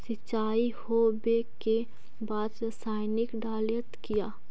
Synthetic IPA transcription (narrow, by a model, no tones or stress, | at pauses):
sɪt͡ʃːaːihobeke | baːd̪ | saːɪnɪkɖaːlət̪kijaː